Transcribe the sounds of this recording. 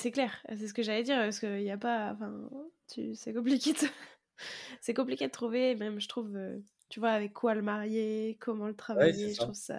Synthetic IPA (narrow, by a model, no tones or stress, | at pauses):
sɛklɛʁ̰s̬ɛsəkəʒalɛd̪iʁpaskəiljapaɑ̰̃fɛ̃t̪ʰysɛkɔ̃p̬likʲed̪ | sɛkɔ̃p̬likʲed̪ət̪χuvemɛmʒət̪χuvø̰ | t̪yvwaːvɛkʰːwaləmaʁjekʰɔmɑ̃lət̪χavajeʒət̪χuvsa̰